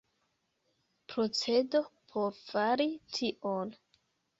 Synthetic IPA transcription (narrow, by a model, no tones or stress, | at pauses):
pɾo̞t͡se̞do̞pʰo̞ɾfaɾitʰiʔon